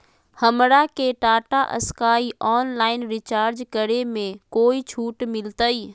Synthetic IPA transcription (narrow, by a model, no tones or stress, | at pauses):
həmɾakeʈaːʈaʔə̰skaːiʔɔːnlaːɪnɾɪt͡ʃaːɾd͡ʒkəɾemẽkoːit͡ʃʰuːʈmɪlt̪əiː